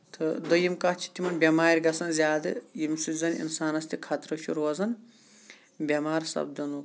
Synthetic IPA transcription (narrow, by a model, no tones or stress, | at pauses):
t̪ʰɨd̪ɐjimkɐt͡ʃʰi̥t̪imɐnbʲɐmaːɾʲɡɐsɐnzʲjaːd̪ɨjimsizɐnḭnsaːnɐst̪ikʰɐt̪ɾɐt͡ʃʰuɾoːzɐn | bʲɐmaːɾsɐ̰bd̪ɐnu